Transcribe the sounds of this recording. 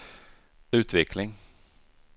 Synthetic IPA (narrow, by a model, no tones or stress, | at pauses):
ʉ̟ːt̪vɛklɪŋ